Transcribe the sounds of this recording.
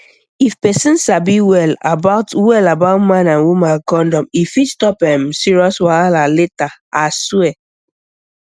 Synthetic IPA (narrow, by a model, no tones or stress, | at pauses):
ifpɛsĩnsabiwɛlabaʊtwɛlabaʊtmãnãnwumãnkɔ̃ndɔ̃mifitstɔpɛmsiɹiɔswalaletaaswɛ